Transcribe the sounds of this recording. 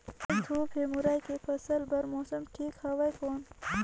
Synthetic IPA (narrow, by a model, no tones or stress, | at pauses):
ɐt̪ʰuːpʰemuɾaːjkefɐsəlbɐɾmoːsɐmʈʰiːkhɐʋɐjkoːn